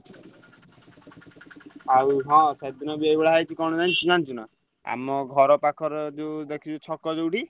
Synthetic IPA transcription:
awuɦɔ̃sad̪inɔbiajbɛɭaɦajt͡ʃʰikɔnɔd͡ʒant͡ʃunant͡ʃuna̰ | a̰mɔɡʱɔɾɔpakʰɔɾɔd̪ed̪ekʰit͡ʃut͡ʃʰɔkːɔdewʈi

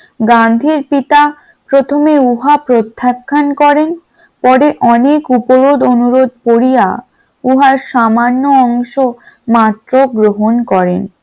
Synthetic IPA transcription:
ɡand̪ʱiɾpit̪a | pɾot̪ʰomeuɦapɾot̪ʰːakʰːankɔɾen | pɔɾeʔɔnekupoɾod̪onuɾod̪̚poɾija̰ | uɦaɾʃamanːoɔŋʃomat̪ːɾoɡɾoɦonkɔɾḛn

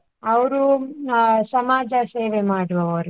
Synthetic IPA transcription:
ɐʋɐɾu | sɐmaːd͡ʒɐseːʋemaːɽuʋɐʋoɾ

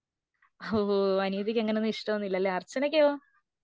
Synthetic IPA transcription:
ooɐnuiðikʲːeŋːɐnenːiʂʈɐmɐnːilːɐlːeɐrt͡ɕːɐnɐkʲːejoː

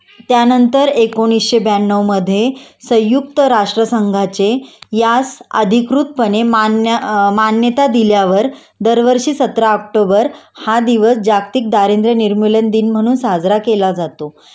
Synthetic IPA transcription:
t̪janənt̪əɾekoɽ̃isɕebanːəʋməd̪ʱːjesə̃jːuk̚t̪əɾaʂʈɾəsəŋɡʱat͡sejasə̰d̪ʱikɾut̪̚pənem | manjət̪ad̪iljaʋəɾ | d̪əɾʋəɾʂiːsət̪ɾaək̚ʈobəɾhad̪iʋəsd͡ʑakt̪iːk̚d̪aɾend̪ɾəniɾmulənd̪iːnm̤əɽ̃uːnsad͡zɾakelad͡zat̪o

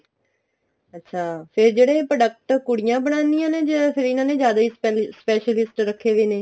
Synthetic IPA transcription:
ətːʃʰaːpʰɪɾd͡ʒeːɽẽːpɾəɖək̚ʈkʊɽɪjãːbəɽ̃ãːnd̪ɪijãːneːd͡ʒəpʰɪɾɪnãːneːzjaːd̪aːiːspɛːʃəlɪsʈɾəkʰːeːʋeːneː

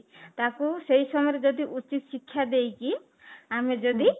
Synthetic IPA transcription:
t̪akusejsɔmɔjɾed͡ʒɔd̪iʔut͡ʃit̪ʃikʰːjad̪ejki | amed͡ʒɔd̪i

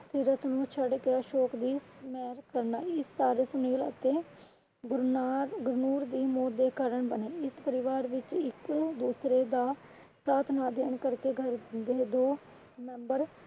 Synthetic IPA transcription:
siːɾət̪nũːt͡ʃʰəɖkeːəʃoːkd̪iːsmɛːɾkəɾnaːɪsːaːɾeːsʊniːlə̰t̪eː | ɡɾɡʊɾnuːɾd̪iːmoːd̪eːkaːɾəɳbəneːɪspəɾɪʋaːɾʋɪt͡ʃɪkd̪uːsɾeːd̪aː | saːt̪ʰnaːd̪eːɳkəɾkeːɡʱəɾd̪eːd̪oː | mɛ̃ːmbəɾ

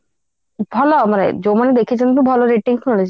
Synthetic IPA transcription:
bʱɔlomanḛd͡ʑomanid̪ekʰiet͡ɕʰent̪obʱɔloɾeʈiŋk̪ʰolet͡ɕʰ

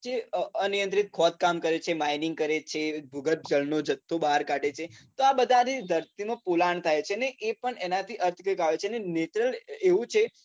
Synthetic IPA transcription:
d͡ʒeənijənt̪ɾit̪̚kʰɔt̪̚kamkəɾet͡ʃʰemainɪŋɡ̚kəɾet͡ʃʰebʱuɡət̪̚d͡ʒəlnod͡ʒət̪ʰːobaɾkaɖet͡ʃʰet̪oabəd̪ʱanid̪ʱəɾt̪imãpulaɳt̪ʰajt͡ʃʰeneʔepəɳenãt̪ʰiʔəɾt̪ʰkəkaʋet͡ʃʰenenet͡ʃɾəleʋũt͡ʃʰe

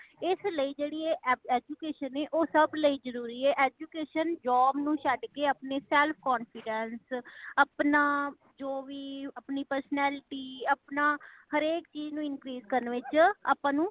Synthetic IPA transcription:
ɪsləiːd͡ʒeːɽiːeːɛːd͡ʒuːkeːʃənɛːʔoːsəbləiːd͡ʒəɾuːɾiːɛːʔɛːd͡ʒuːkeːʃənd͡ʒɔːmnũːʃəɖkeːəpneːsɛːlpʰkɔːnfɪɖənsəpnaː | d͡ʒoːʋiːəpniːpəɾsənɛːlɪʈiːəpnaːhəɾeːkt͡ʃiːd͡ʒnũːɪnkɾiːzkəɾnʋɪt͡ʃa̰ːpãːnũː

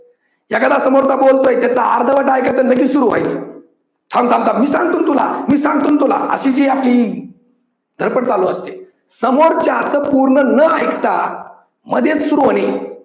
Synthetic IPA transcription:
jakəd̪asəmoɾt͡sabolt̪ojt̪jat͡saaɾd̪ʱəʋəʈajkat͡sələɡit͡ssuɾuːʋ̤a̰jt͡sə | t͡sʰãt̪ʰãlt̪amiːsãŋɡ̚t̪uːnt̪ula̰miːsãŋɡ̚t̪uːnt̪ula̰ə̰ɕid͡ʑiːapliː | d̪ʱəɾpəʈt͡saloəst̪e | səmoɾt͡ɕjat͡səpuɾɳənəajkt̪a | məd̪ʱjet͡ssuɾuaɽ̃i

